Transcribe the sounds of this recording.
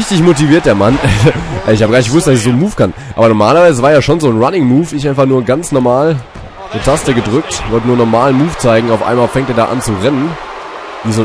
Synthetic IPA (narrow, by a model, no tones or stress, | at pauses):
ɪçtɪçmotiviːɐt̚d̥eːɐmanɛʔɪçhabɡaːnɪçɡəvʊstd̥asɛçz̥oːnmuːfkʰanʔa̰ːbɐnɔɐmaːlɐvaɪzəvaːɐeːɐʃoːnzoːnʁanɪŋmuːfʔɪçʔaɪ̃nfaχnuːɐɡant͡snɔɐmaːl | netʰastəɡədʁʏk̚tvɔltənuːɐnɔɐmaːlənmuːft͡saɪɡŋ̩aʊfʔa̰ɪnmaːlfɛŋtdeːɐda̰ːʔa̰nt͡suʁɛnən | v̥iːzoː